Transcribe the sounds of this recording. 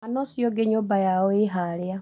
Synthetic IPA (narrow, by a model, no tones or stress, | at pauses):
anɔsiɔɡeɲobajaɔɪɦaɾja